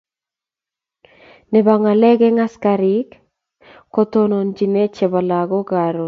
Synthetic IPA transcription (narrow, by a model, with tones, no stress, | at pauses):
nɛ˨ba˨ŋa˨lɛ˦ɡɛ˦ŋa˦skaɾi˦k | ko˦t̪ono˨nd͡ʒi˨ne˦t͡ʃɛ˨ba˨la˨ɡo˦ɡa˨ɾo˨